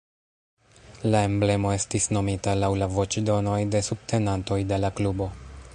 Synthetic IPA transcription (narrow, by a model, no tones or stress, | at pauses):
lae̞mble̞mo̞e̞stisno̞mitalawlavo̞t͡ʃdo̞no̞jde̞sub̚tʰe̞nanto̞jde̞laklubo̞